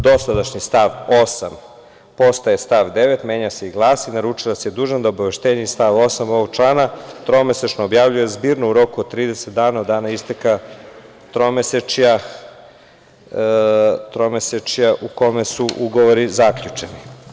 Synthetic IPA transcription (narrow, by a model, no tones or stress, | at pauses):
d̪o̞sad̪aʃɲist̪aʋo̞sam | po̞st̪ajest̪aʋd̪eʋet̪me̞ːɲase̞iɡlˠaːsinaɾut͡ʃilasejed̪uːʒand̪aobaʋe̞ʃt̪eɲeist̪aʋo̞samoʋoɡ̚t͡ʃlˠaːnat̪ɾo̞meset͡ʃnoobjaʋʎujezbiːɾnouɾo̞kuod̪̚t̪ːɾiːd̪eset̪̚d̪aːnaod̪aːnaist̪eka | t̪ɾo̞meset͡ʃja | t̪ɾomeset͡ʃjaʔuko̞mesuʔuɡo̞ʋoɾizakʎut͡ʂeni